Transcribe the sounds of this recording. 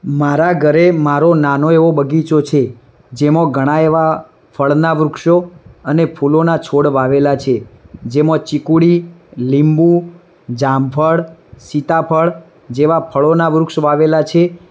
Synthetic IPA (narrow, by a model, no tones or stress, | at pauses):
maɾaɡʱəɾemaɾonanoeʋobəɡit͡ʃot͡ʃʰe | d͡ʒemõɡʱəɽ̃aeʋa | pʰəɭnaʋɾʊkʃoənepʰulonat͡ʃʰoɽʋaʋelat͡ʃʰed͡ʒemõt͡ʃikuɽilimbu | d͡ʒampʰəɭsit̪apʰəɭ | d͡ʒeʋapʰəɭonaʋɾʊkʃʋaʋelat͡ʃʰe